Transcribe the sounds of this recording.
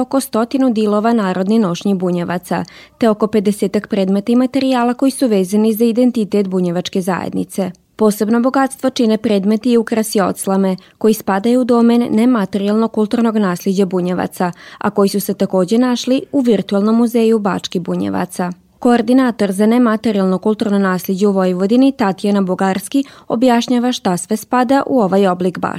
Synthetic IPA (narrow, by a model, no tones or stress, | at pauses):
okost̪o̞t̪inud̪ilˠo̞ʋanaːɾod̪ninoʃɲibuɲeʋa̰t̪sa̰t̪e̞o̞ko̞pe̞d̪eseːt̪akpɾe̞ːd̪me̞t̪aimat̪e̞ɾiaːlako̞jisuʋe̞ːzanizaid̪e̞nt̪it̪et̪buɲeʋat͡ʂke̞za̰jḛd̪nḭt̪se̞ | po̞ːse̞bno̞bo̞ɡat̪st̪ʋot͡ʃinepɾeːd̪me̞t̪iiukɾasio̞̰t̪slˠameko̞jispad̪ajuːd̪o̞menːemat̪eɾialˠno̞kulˠt̪uɾno̞ɡnaːsled͡ʑabuɲeʋa̰t̪saa̰ko̞jisuse̞t̪ako̞ːd͡ʑe̞naʃliuʋiɾt̪uelˠno̞mːuzeːjuba̰t͡ʂkibuɲḛʋa̰t̪sa | ko̞ːɾd̪inaːt̪o̞ɾzanemat̪e̞ɾialˠno̞kulˠt̪uɾnonaːsled͡ʑeuʋo̞jiʋod̪init̪at̪ianaboɡaːɾskio̰bjaʃɲaːʋaʃt̪asʋespad̪aʔuo̞ʋajo̞blikba̰